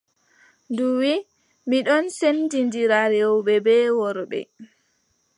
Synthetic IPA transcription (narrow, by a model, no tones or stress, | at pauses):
nduwi | miɗɔnsendindiɾaɾɛwɓɛbɛːwɔɾbɛ̰